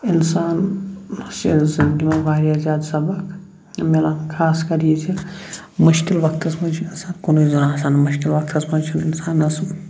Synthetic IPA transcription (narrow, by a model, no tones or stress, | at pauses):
insaːn | sizɐnɡimɐ̃baːɾiaːzaːd̪sɐbɐk | melakʰaːskɐɾid͡ʒʰi | muʃkilʋɐk̚t̪ʰɐsmɐ̃t͡ʃʰiɐsãːnkonoizunaːsaːnmuʃkilʋɐk̚t̪ʰɐsmɐ̃t͡ʃʰuninsaːnɐsu